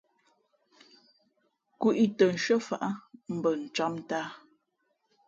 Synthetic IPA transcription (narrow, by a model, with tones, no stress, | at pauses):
ku˦ʔi˦tə˨n̩˨ʃə˦fa̰˨ʔa˦m̩˦bə˨n̩˨t͡ʃa˦m˦taː˦